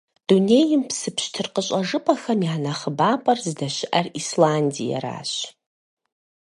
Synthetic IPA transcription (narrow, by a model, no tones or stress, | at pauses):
d̥une̞jɪmpʰsɨpʰɕtʰɨrqʼəɕʷʼaʐɨpʼaxamjaːnaχəbaːpʼarzdaʃʷɪʔarislandḭja̰ɾa̰ːʃ